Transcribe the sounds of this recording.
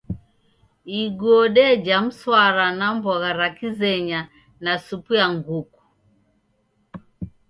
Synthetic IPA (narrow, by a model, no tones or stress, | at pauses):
iɡɔɗɛd͡ʒam̩swaɾanambɔɣaɾakizɛɲa | nasupujaŋɡuku̥